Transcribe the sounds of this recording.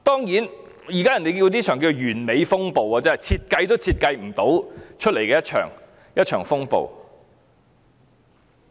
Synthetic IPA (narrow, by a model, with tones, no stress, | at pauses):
t̪ɔː˥ŋjiː˨˥n | jiː˨˩kaː˥jɐ˨˩nt̪e˨jkiː˧wt̪iː˥t͡ʃʰœː˨˩ŋkiː˧o˨˩jyː˨˩nme˨˧jfʊ˥ŋpo˨waː˨t͡sɛː˨˦˥jt͡sʰiː˧t̚kɐ˧jt̪o˥wt͡sʰiː˧t̚kɐ˧jm̩˨˩t̪o˨˥wt͡ʃʰt̚le˨˩jkɛː˧jɐ˥t̚t͡ʃʰœ̰ː˨˩ŋ | jɐ˥t̚t͡ʃʰœː˨˩ŋfʊ˥ŋpo̰˨w